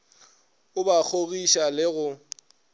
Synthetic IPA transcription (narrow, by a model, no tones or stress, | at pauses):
ʊbak͡xʰoɣiʃalɪɣʊ